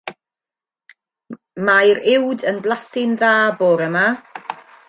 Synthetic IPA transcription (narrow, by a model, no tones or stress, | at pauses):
majɾɪwdənblˠasɪnðaːboːɾəma